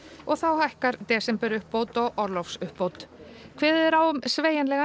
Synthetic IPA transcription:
ɔɣθawhajhkaɾt̪ɛːsɛmpɛɾʏhpːowt̪ɔɣɔɾlɔfsʏhpːowt̪ | kʰvɛːðɛɾawʏmsveːjɛnlɛɣa

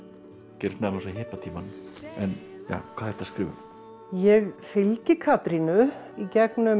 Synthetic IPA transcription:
cɛɾst̪nɛlɔsaɦɪːhpat̪ʰiːmanɛnja̰ːkʰvaːðɛɾ̥t̪ʰaskɾɪːvʏ̰m | jɛɣfɪlcɪkʰaːt̪ɾinʏ | icɛknʏ

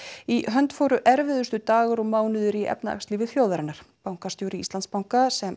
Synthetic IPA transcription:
iɦœnt̪foːwɾʏʔɛɾvɪðʏst̪ʏt̪aːɣʏɾɔmaːwnʏðʏɾiɛ̰pnaa̰kst̪livɪðfjoːwðaɾɪnaɾ̥pawŋkast̪jowɾɪḭst̪anspawŋkasɛm

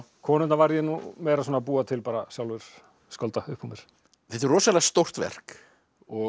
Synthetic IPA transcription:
kʰɔːnʏt̪navajɾjɛnumeːjɾasɔːnapuːat̪ʰɪlpaːɾasjawlvʏɾ̥ | skɔlt̪aʏhpːumjɛɾ̥ | θɛht̪ɪɾrɔːsalaast̪owr̥t̪vɛ̰r̥k | ɔ

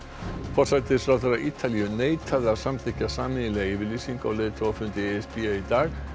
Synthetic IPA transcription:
fɔrt̪sat̪ɪsfɾawθeɾaʔiːt̪ʰaliʏneːjt̪ʰaðḁsamt̪ʰɪcasaːmɪɪlɛːɣivɪlisiŋkɔwleːjt̪ʰaafʏnt̪ɪeɛspiait̪aːɣ

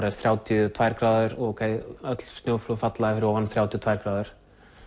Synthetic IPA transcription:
ɾɛɾ̥θɾjaːwt̪ʰjʏt̪ʰvajɾkɾaːðʏɾɔowkʰeːjœt̪l̥st̪joːwflofat̪laɪfɪɾɪɔwvanθɾawt̪ʰjɔt̪vajɾkɾaːðʏɾ̥

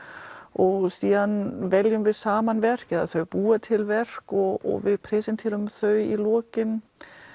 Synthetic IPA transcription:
ɔɣsiːðanvɛljʏmvɪðsaːmanvɛr̥kɛðaθœɥpuːat̪ʰɪlvɛr̥kɔɣɔ̰ɣvɪðpʰɾɛsɛnt̪ʰɛːɾʏmθœɥilɔːcɪn

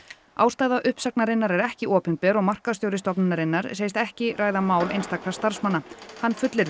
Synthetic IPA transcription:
a̰ːwst̪ajðaʔʏhpsak̚naɾɪnːaɾɛɾɛhcɪʔɔːpɪnpɛːɾɔɣmar̥kast̪joːwɾɪst̪ɔpnɪnaɾɪnːaɾ̥sejst̪ɛhcɪraːjðamaːwlḛjnst̪aknaɾ̥st̪aɾ̥smanːahanːfʏt̪lɪɾ

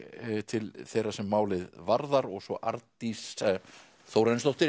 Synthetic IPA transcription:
t̪ʰɪlθejrasɛmːaːwlɪðvaɾðaɾɔɣsɔʔaɾt̪is | θowɾanst̪owht̪ɪ

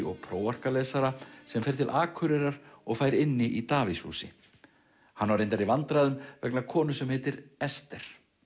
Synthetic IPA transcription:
ɔɣpʰɾoːwar̥kalɛːsaɾasɛmfɛjɾ̥t̪ʰɪlʔaːkʰʏɾɛɾaɾɔɣfaːjɾɪnːɪʔit̪aːvɪshṵːsɪ | hanvaɾejnt̪aɾivant̪ɾaðʏmvɛknakʰɔːnʏsɛmhɛːt̪ɪɾɛst̪ɛɾ̥

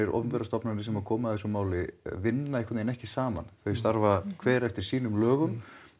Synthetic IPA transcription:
ɪɾʔɔ̰vnvɛɾast̪ɔpnanɪsɛmakʰɔːmaɛs̬ɔmaːwlɪvɪnːaihkʰat̪nenɛhcɪsaːma̰nθœɥst̪aɾvakʰvɛːɾɛft̪ɪɾ̥siːnʏmlœːɣʏm

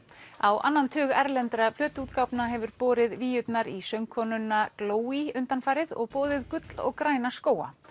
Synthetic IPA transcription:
awʔa̰nːant̪ʰʏːɣɛɾlɛnt̪ɾapʰlœːt̪uːt̪̚kawpnaɦɛvʏɾpɔːɾɪðviːjʏt̪naɾisœŋkʰɔnʏnːakloːwiʏnt̪anfaːjɾɪðɔ̰ɣpɔːðɪðkʏt̪lɔ̰ɣkɾaːjnaskoːwa̰

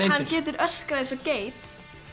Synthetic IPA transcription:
hancɛːt̪ʏɾʔœ̥skɾaðɪsɔceːjt̪

